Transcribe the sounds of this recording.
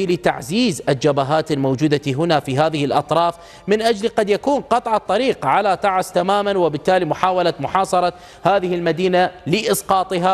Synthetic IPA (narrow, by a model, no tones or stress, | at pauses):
lɪt̪a̰ʕziːzʔɪld͡ʒabaɦaːt̪almowd͡ʒuːd̪aɦʊnafiɦaːðɪhɪlʔɑ̰t̪ˤɾˤɑːf | mɪnʔad͡ʒlqɑd̪jakuːnqɑt̪ˤʕɑt̪ˤːɑɾiːqʕalat̪ɑʕast̪amaːmanwɪbɪt̪ːaːlimʊħaːwalat̪mʊħɑːsˤɑɾˤɑ | haːðɪhɪlmad̪iːnalɪʔɪsqɑːt̪ˤɨɦa